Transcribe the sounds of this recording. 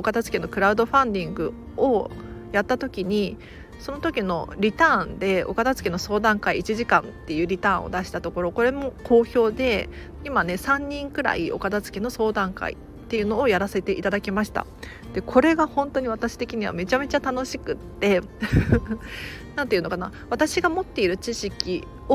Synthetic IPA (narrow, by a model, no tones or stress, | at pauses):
okat̪at͡sɨ̥keno̞kɯ̟ɾaɯ̟d̪o̞ɸãnd̪ʲĩŋɡɯ̟ | ojat̪ːat̪o̞kʲiɲ̟i | so̞no̞t̪o̞kʲino̞̰ɾʲit̪ãːnd̪e̞o̞̰kad̪at͡sɨ̥keno̞so̞ːd̪ãŋkaiːt͡ɕiʑikã̰nt̪ːe̞jɯ̟ːɾʲit̪ãːo̞̰d̪aɕi̥t̪at̪o̞ko̞ɾo̞ko̞ɾe̞mo̞kʰo̞ːço̞ːd̪e̞ | imane̞sãɲ̟ːĩŋkɯ̟ɾa̰iʔo̞̰kad̪at͡sɨ̥keno̞so̞ːd̪ãŋka̰ḭ | t̪ːe̞jɯ̟no̞ːjaɾase̞t̪e̞ʔit̪ad̪akʲimaɕi̥t̪a̰ | d̪̥e̞kʰo̞ɾe̞ɡahõ̞nt̪oɲ̟iβ̞at̪aɕi̥t̪e̞kʲiɲ̟iβ̞a̰me̞t͡ɕame̞t͡ɕat̪ano̞ɕi̥kɯ̟t̪ːe̞ | nãnt̪eiɯ̟no̞kanaβ̞at̪aɕiɡamo̞t̪ːe̞iɾɯ̟t͡ɕiɕikʲi | o